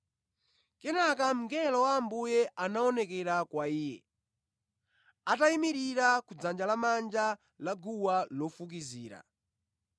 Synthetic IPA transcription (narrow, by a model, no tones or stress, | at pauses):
kɛnak̬am̩ŋɡɛlɔwaːmbujɛʔanaɔnɛkɛɾakwaiːjɛ̰ | ataimiɾiɾakud͡zand͡ʒalamand͡ʒa | laɡuwalɔfuk̬iziːɾa̰